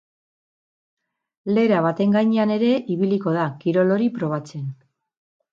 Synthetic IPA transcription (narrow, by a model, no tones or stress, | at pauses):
le̞ɾaβat̪e̞ŋɡajɲeane̞ɾe̞ʔiβiliko̞ðakiɾo̞lo̞ɾipɾo̞β̞at͡se̞n